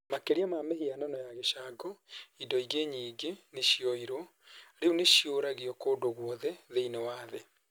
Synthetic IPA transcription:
makeɾiamamehianɔnɔjaɣeʃaːɡɔidɔiɡeɲiːɡeneʃiɔiɾo | ɾeuneʃioɾaɣiɔkoːdoɣwɔðɛðeinewaːðe

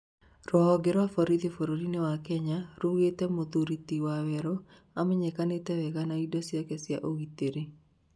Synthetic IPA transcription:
ɾɔɦɔɡɪɾafɔɾid̪efoɾoɾinewakɛɲaɾuɣet̪ɛmot̪uɾit̪iwawɛɾɔ | amɪɲɛkanet̪ɛwɛkanaidɔsjakɛsja̰ʔoɡit̪eɾe

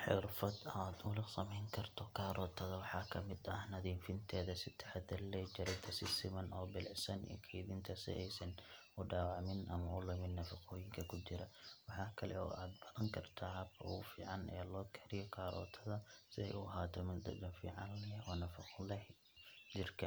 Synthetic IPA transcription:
ħɪɾfɐd̪ad̪ʊlɪsɐmɛŋkʰɐrt̪ʰɔkʰaːɾʔɔːt̪ʰɐðɐwɑħaːkʰɐmɪd̪ɐhnɐd̪iːnfɪnt̪ʰɛːðɐsɪt̪ʰɐ̥ħad̪ɐlːɛd͡ʒɐɾɐt̪ʰɐsɪsɪmɐnʔɔːbɪlɪʕsɐnḭkʰɐðiːnt̪ʰɐsɛ̰ʔɛjsɐn | ʊɖaːwaʕmɪnʔɐmɐʔʊlɛmɪnːɐfɐqʰoːjɪŋkʰɐkʰʊd͡ʒɪɾɐwɑħaːkʰɐlɛ̰ɔ̰ːaːd̪bɐðɐŋkʰɐrt̪ʰaːhbɐ̰ʔufḭːʕanʔɛ̰ːlɔːkʰɐɾɪjɔkʰaːɾɔ̰ːt̪ʰɐðɐsɪɛ̰jʔuʔɐɦaːt̪ʰɔmɪnd̪ɐ̰dɐfḭːʕɑnlɛɔnɐfɐqlɛh | d͡ʒɪrkʰɐ

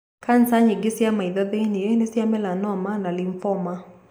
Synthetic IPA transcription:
kansaɲiɡɪsiamaiðɔðeniɛnisiamɛlanɔmanaliɱfɔma

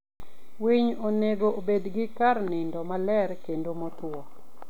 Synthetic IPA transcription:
wiɲoneɡoʔobedɡɪkaɾnɪndɔmalɛɾkendomotɔ

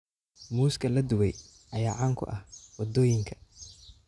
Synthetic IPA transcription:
muːskʰɐlɐd̪ʊwɛj | ɐjaːʕaːŋkʰʊ̰ʔɐhwɑd̪ɔːjɪŋkʰɐ̥

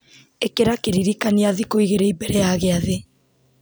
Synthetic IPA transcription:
ekeɾakeɾiɾikaniaðikoiɣeɾeibɛɾeaɣeaðe

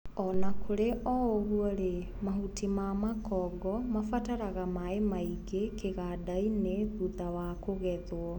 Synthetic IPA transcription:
ɔnakʰoɾeʔɔoɣuɔɾe | maɦutimaːmakɔɡɔmafataɾaɣamaemaiɡekeɣadaineðuðawakoɣɛðwɔ

